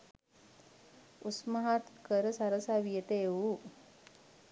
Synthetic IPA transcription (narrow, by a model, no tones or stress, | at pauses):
usməɦat̪kəɾəsaɾəsaʋijet̪əeu